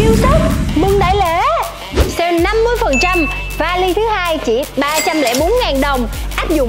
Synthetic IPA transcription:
ʔi˧əwsəː˦˥t̚mɨ˧˩ŋɗa̰ː˧˩jle˧˩˦ | sɛ˧na˧mːɨ˧əjfə˨˩nt͡ɕa˧m | vaː˨˧˩li˧t̪ʰɨ˨˦haː˧jt͡ɕi˧˩ɓaː˧t͡ɕa˧mlɛ̰˧˥ɓo˨˦nŋaː˨˩nɗə˨˩wŋ͡mʔaː˦˥p̚zʊ̰˧˨ŋ͡m

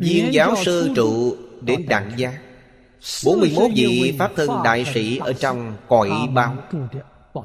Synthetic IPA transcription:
zi˧əŋzaː˨˦wsɨ˧t͡ɕṵ˧˨ɗe˨˦nɗa̰˧˨ŋzaː˧˦ | ɓo˨˦nmɨ˧əjmo˦˥t̚vḭ˧˨faː˦˥p̚t̪ʰə˧nɗa̰ː˧˨jsḭ˧˩ʔəː˧˩t͡ɕɔ˧wŋ͡mkɔ˨˧˩jɓaː˧˩w

